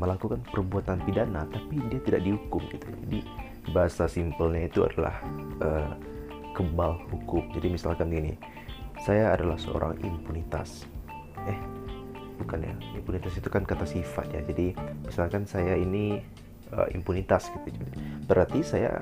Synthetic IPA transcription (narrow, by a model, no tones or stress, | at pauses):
məlakukanpərbuat̪anpidanat̪apidiat̪idaʔ̚dihukʊmɡit̪ud͡ʒadi | baɦasasimpəlɲait̪ua̰dala̰hʔəː | kəbalhukʊmd͡ʒadimisalkaninḭ | sajaːdalahsə̰o̰ɾʔa̰ŋḭmpunit̪a̰s | ɛh | bukanja̰impunit̪asit̪ukankat̪asifa̰t̪̚ja̰d͡ʒadimisalkansajaini | ʔə̰ḭmpunit̪asɡ̥it̪ud͡ʒbəɾart̪isaja̰